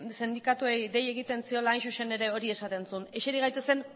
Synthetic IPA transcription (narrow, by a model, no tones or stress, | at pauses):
send̪ikat̪uejd̪e̞je̞ɣ̞it̪e̞nsio̞laːjnʃuʃene̞ɾe̞o̞ɾie̞sat̪e̞nsune̞ʃeɾiɣ̞ajt̪e̞se̞n